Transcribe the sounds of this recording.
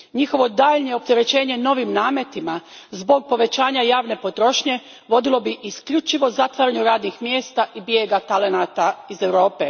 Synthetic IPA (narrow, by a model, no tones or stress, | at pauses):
ɲixo̞ʋo̞d̪aːʎɲeop̚t̪eɾe̞t͡ɕe̞ːɲe̞no̞ʋimnaːmet̪imazbo̞ɡ̚po̞ʋe̞t͡ɕaːɲajaːʋne̞po̞t̪ɾo̞ʃɲe̞ | ʋo̞d̪ilˠo̞biʔiskʎut͡ʃiʋo̞zat̪ʋaɾaɲuɾaːd̪nixmjeːst̪aʔibjeːɡat̪ale̞naːt̪aizewɾo̞ːpe